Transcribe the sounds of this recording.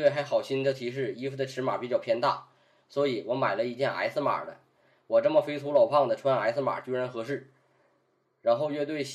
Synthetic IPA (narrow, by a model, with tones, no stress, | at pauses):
e˥˩ɪxa˧˥ɪxɑ˨˩ʊɕi˥nd̪ə˧˩t̪ʰi˧˥ʂ̬ɻ̩˥˩i˥fu˧˩d̪ə˩ʈ͡ʂʰɻ̩˧˥ma̰˨˩˥pi˨˩t͡ɕjɑ˨˩ʊpʰjɛ˥˧nt̪a˥˩ | swɔ˧˥i˨˩wɔ˧˥ma˨˩ɪlə˦i˧˥t͡ɕjɛ˥˩na̰˧˥ɪsɹ̩˥˧ma̰˨˩d̪ə̰˦ | wɔ˨˩ʈ͡ʂɤ˥˩mə˩fe˥ɪt̪ʰu˧˥lɑ˨˩ʊpʰɑ˥˩ŋd̪ə˩ʈ͡ʂʰwa˥na˧˥ɪsɹ̩˥˩ma̰˨˩t͡ɕy˥ɻə˧˥nxɤ˧˥ʂɻ̩˥˩ | ɻa˧˥nxo˥˧ʊɥɛ˥˧t̪we˥˩ɪɕ